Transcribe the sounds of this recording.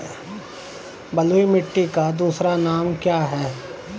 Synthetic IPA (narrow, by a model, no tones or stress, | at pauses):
bɐluimɪʈːikad̪uːsɾanaːmkjaːɦɛː